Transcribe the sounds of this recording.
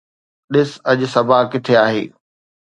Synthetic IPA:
ɗɪsɐʄsɐbʱakɪt̪ʰeaːɦḛː

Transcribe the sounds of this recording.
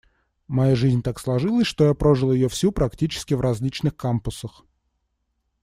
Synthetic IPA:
mɐjaʐɨzʲnʲt̪akslˠɐʐɨlˠəsʲʂt̪o̞japɾoʐɨlˠəjɪjofsʲupɾɐktʲit͡ɕɪ̥skʲɪvrɐzʲlʲit͡ɕnɨxkampʊsəx

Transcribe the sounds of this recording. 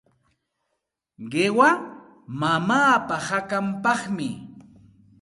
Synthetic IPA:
ɢewa | mamaːpahakampɑχmɪ

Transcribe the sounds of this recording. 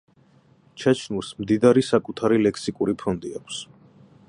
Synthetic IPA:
t͡ʃʰat͡ʃʰnulˠsmd̪id̪aɾisakʼut̪ʰaɾilɛkʰsikʼuɾipʰɔnd̪iakʷʰs

